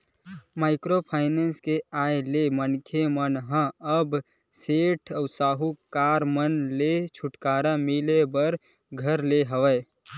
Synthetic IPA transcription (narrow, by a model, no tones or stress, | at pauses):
maːɪkɾopʰaːɪnenskeaːjlemənkʰemənɦə̃əb | seːʈʰəwsaːɦukaːɾmənlet͡ʃʰʊʈkaːɾamilebəɾ | ɡʱəɾleɦəwəj